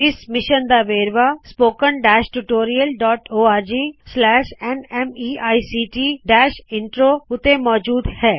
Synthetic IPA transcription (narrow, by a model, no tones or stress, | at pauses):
ɪsmɪʃənd̪aːʋeːɾʋaspoːkənɖɛːʃʈuʈoːɾijəlɖɔːʈoːaːɾd͡ʒiːslɛːʃɛnɛmiːaːisiːʈiːɖɛːʃɪ̃ɳʈɾoːʊt̪emɔːd͡ʒuːd̪hɛː